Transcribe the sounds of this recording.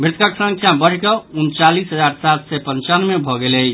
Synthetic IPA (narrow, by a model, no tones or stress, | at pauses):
mbɾɪt̪kaksə̃ŋkʰjabəɽ̤kəunt͡ʃalisɦəd͡ʒaɾsat̪sɛpənt͡ʃanmebʱɔɡeləj